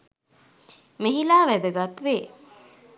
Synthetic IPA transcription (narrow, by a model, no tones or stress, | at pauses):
meɦilaːʋæd̪əɡat̪ʋeː